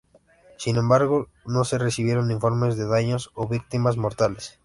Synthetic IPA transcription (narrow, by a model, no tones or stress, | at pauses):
sinẽmbaɾɣʊ | nõŋseresiβjeɾõnd̪iɱfoɾmezðeðaɲosoβik̚t̪imazmoɾt̪ales